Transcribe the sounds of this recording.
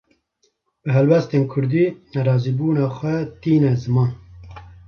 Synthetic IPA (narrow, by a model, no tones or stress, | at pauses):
b̥ɨɦɛlwɛst̪eːnkʰʊɾd̪iːnɛɾɑːziːbuːnɑːxʷɛt̪iːnɛzɨmɑːn